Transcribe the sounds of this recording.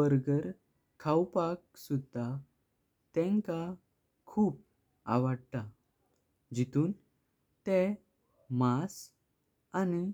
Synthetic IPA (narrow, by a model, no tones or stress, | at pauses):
əɾɡəɾ | kʰawpak̚sud̪ʱa | t̪ɛ̃ŋka | kʰuːp̚ | a̰ʋəɽt̪a | d͡ʑit̪uːn | t̪ɛ̃ | mas | ani